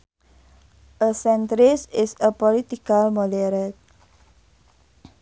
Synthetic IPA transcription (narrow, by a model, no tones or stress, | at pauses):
ʔəsɛ̃ntɾɪsɪsəpɔlit̪ikalmɔdɛɾət̚